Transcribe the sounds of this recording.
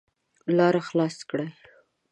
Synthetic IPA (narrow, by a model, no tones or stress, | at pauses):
lɑɾaxlɑskɽaj